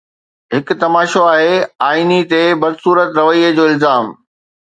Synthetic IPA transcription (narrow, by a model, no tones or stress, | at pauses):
ɦɪkʊ̆t̪ɐmaːʃoaːɦeaːinit̪ebɐd̪suːɾət̪ɾɐʋəiːəd͡ʑoːɪlzaːm